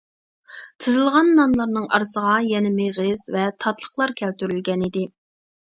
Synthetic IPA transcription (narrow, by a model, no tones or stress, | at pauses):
t̪ʰɨzɨlˠʁɑnːɑnlˠɑɾnɨŋʔɑ̰ɾsəʁɑjɛnɪmeʁɪz̥vɛt̪ʰɑt̪lˠəχlˠɑɾkʲʰɛlt̪yɾylɡʲɛnid̪ɪ